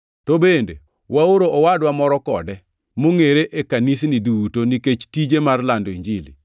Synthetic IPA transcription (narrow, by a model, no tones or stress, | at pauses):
tobendḛ | wʔaoɾoʔɔwadwamɔɾɔkɔ̰dɛ | moŋeɾeʔekanis̬nidutoniket͡ʃtid͡ʒemarlandoiɲd͡ʒilḭ